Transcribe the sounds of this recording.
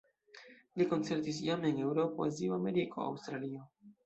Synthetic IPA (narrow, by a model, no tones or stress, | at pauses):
likont͡seɾt̪is̬jamene̞wɾopoa̰zioameɾikʰo̰a̰wst̪ɾalio